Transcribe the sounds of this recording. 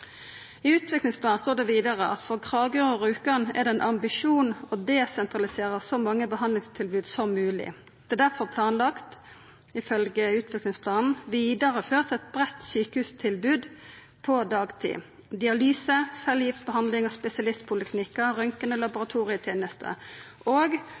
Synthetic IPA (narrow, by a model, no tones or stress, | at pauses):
ɪʉːt̪ʰʋɪklɪŋspʰlɑːnst̪oːd̪ɛʋiːd̪ɑʁəʔɑ̰t̪fɔʁkʰʁɑːɡøːʁoʁʉːkɑnæ̰ʁd̪ɛɛnʔɑmbɪʂuːnɔd̪ɛsɛnt̪ʁɑlɪseːʁəsɔmɑŋːəbəhɑnlɪŋst̪ʰɪlbʉːd̪sɔmːʉːlɪ̰ | d̪̥ɛːd̪æʁfɔʁpʰlɑːnlɑkt̪ | ɪfœlɡəʉːt̪ʰʋɪklɪŋspʰlɑːnn̩ʋiːd̪əɾəføːʁt̪ɛt̪̚bʁɛt̪ːsyːkəhʉːst̪ʰɪlbʉːd̪ | pʰɔd̪ɑːɡt̪ʰḭː | d̪ɪɑlyːsəsɛljɪft̪̚bəɦɑnd̪lɪŋɔspɛsɪɑlɪst̪̚pʰʊləkʰnɪkːəɾœŋkənəlɑbʊʁɑt̪ʰuːʁɪət̪ʰjeːnəst̪ʰə̰ | oːɡ